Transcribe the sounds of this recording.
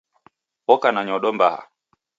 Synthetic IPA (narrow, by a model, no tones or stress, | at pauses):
ɔkanaɲɔɗɔmbaha̰